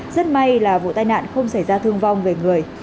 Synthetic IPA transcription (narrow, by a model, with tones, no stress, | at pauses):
zə˦˥t̚ma˧jlaː˨˩vṵ˧˨t̪aː˧jna̰ː˧˨nxə˧wŋ͡msa˧˩jzaː˧t̪ʰɨ˧əŋva˧wŋ͡mve˨˩ŋɨ˨˩əj